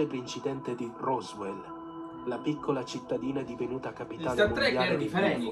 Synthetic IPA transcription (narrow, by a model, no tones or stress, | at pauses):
epɾeint͡ʃid̪ɛnt̪ed̪irɔzwɛl | lapikʰːolat͡ʃit̪ːad̪iːnaɛd̪ivenuːt̪aːkːapiaːnmjaːled̪iɛ